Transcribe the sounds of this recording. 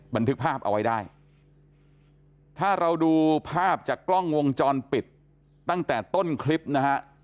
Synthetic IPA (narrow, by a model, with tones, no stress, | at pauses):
ba˧nt̪ʰɯ˦˥k̚pʰaː˥˩p̚ʔa̰˧wa˦˥jdaː˥˩j | t̪ʰaː˥˩ɾa˧wduː˧pʰaː˥˩p̚t͡ɕaː˨˩kːlɔ˥˩ŋwo˧ŋt͡ɕɔː˧npi˨˩t̪̚ː | a˥˩ŋt̪ɛː˨˩t̪o˥˩nkʰli˦˥p̚na˦˥kʰa˦˥ʔ